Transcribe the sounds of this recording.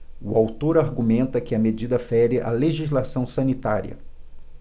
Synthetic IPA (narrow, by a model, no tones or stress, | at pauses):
uawt̪oɾaɾɡumẽnt̪ɐkɪɐmed͡ʒid̪ɐfɛɾɪʔa̰leʒizlasɐ̃w̃sɐ̃nit̪aɾiɐ̰